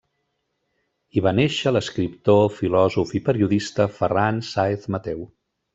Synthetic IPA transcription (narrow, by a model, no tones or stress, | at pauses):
iβaneʃələskɾipt̪ofilɔzufipəɾiuðist̪əfəransaeθmət̪ɛw